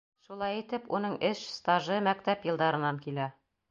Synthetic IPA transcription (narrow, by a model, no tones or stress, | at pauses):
ʃulˠɑjit̪ɘpunɤɴʔɘʃst̪aʒɤmæk̚t̪æpjɤ̆lˠd̪ɑɾɤ̆nɑŋkilæ